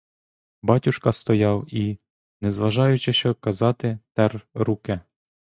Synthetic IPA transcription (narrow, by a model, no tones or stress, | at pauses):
bɑtʲuʃkɐst̪ɔjɑwi | nɛzʋɐʒɑjʊt͡ʃɪʃɔkɐzɑt̪ɪt̪ɛrɾuke